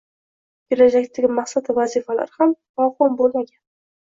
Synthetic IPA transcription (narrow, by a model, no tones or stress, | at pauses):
kʲʰelad͡ʒakʲt̪ʰaɡʲɪmaχsad̪avazifala̰ɾhamnɒwhʊmbolmaɡʲan